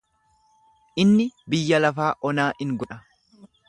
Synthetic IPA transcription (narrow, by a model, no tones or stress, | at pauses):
ʔɪnːɪbɪjːɐlɐfaːʔɔnaːʔɪŋɡɔᶑɐ